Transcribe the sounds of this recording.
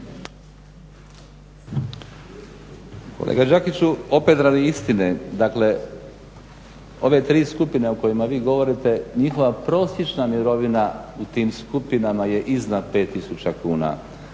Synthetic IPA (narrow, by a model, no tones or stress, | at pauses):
ko̰lḛːɡad͡ʒakit͡ɕuo̞pe̞t̪ɾaːd̪iist̪ined̪aːkle̞ | o̞̰ʋe̞t̪ɾiːskupineoko̞jimaʋiːɡo̞ʋo̞ɾit̪e̞ɲixo̞ʋapɾo̞ːsjet͡ʃnamiɾo̞ʋinaut̪iːmskupinamaje̞ʔiznad̪pe̞t̪ːisut͡ɕakuːna̰